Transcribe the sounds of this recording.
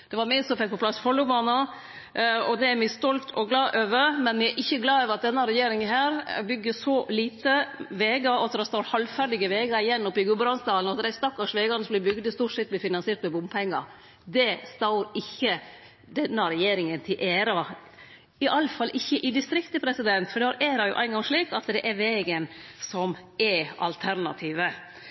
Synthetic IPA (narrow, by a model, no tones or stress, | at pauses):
d̪̥ɛʋɑɾmɪsɔmfɛk̚pʰɔpʰlɑsːfɔlːʊbɑːnɑ | ɔd̪ɛæɾmɪst̪ɔlt̪ʰɔɡlɑːʔøːʋəɾmɛnmɪɛɾʔɪçːəɡlɑːøːʋəɾɑt̪̚d̪ɛnːəɾɛjeːɾɪŋəɦæːɾbʏɡːəsɔliːt̪əʋeːɡɑɑt̪ːəɾɔst̪ɑʊɾhɑlfæɖɪɡəʋeːɡɑɪjɛnːɔpːɪɡʉbɾɑnsd̪ɑːlənɔɑt̪ɾæɪst̪ɑkːɑʂʋeːɡɑnəslɪbʏɡd̪əst̪uːʈʂɛt̪̚ːblɪfɪnɑnseːʈ̪mɛbʊmpʰɛŋːɑ | d̪ɛst̪ɑʊɾɪçːə | d̪ɛnːəɾɛjeːɾɪŋənt̪ʰɪlʔeːɾɑ | ɪʔɑlːəfɑlːʔɪçːəʔɪd̪ɪst̪ɾɪkt̪əpʰɾɛsɪd̪ɛnt̪fɔɖɛhɑɾʔeːɾɑjʊ̰ʔæɪnɡɑŋʂɭiːkɑt̪d̪ɛʔɛɾʋeːɡənsɔm | ɛɑ̰lt̪ʰæɾnɑ̰t̪ʰiːʋə